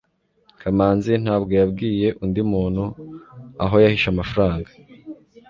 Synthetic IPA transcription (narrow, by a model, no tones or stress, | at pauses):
kʰamaːnzin̥haːbɡo̞jab̚ɡiːje̞ʔundimuːn̥hu | a̰ɦo̞jahiʃamafɾaːŋɡa